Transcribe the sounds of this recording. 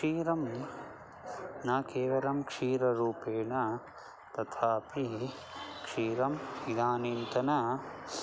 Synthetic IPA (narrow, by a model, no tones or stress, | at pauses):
iːɾɐm | nɐkeːʋɐɾɐmkʂiːɾɐɾuːpeːɳɐ | t̪ɐt̪ʰaːpi | kʂiːɾɐmid̪aːniːnt̪ɐnɐ